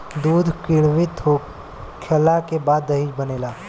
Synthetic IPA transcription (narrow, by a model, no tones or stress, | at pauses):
d̪uːd̪ʱkɪɽ̃ʋɪt̪ɦo | kʰəlakebaːd̪ːəɦid͡ʒbəneːlaː